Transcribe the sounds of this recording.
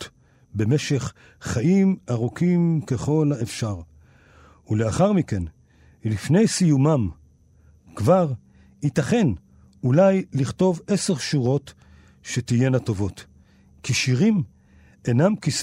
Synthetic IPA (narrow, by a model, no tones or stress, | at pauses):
t | be̞meʃe̞χ | χaʔimaʁukimkeχo̞laefʃaʁ | uleaχaʁmike̞n | lifne̞jsijumam | kvaʁ | itaχe̞n | ulajliχto̞vese̞ʁʃuʁo̞t | ʃetijenato̞vo̞t | kiʃiʁim | enamkis